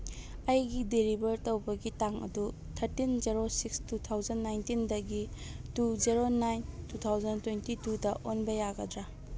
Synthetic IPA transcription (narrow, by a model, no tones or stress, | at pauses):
ɐjɡideɾibɐɾtɐwbɐɡitaŋɐ̰du | tʰɐɾtinzeɾosikstutʰawzɐnːajntindɐɡituzeɾonajntutʰawzɐntwentitudɐʔonbɐjaɡɐdɾa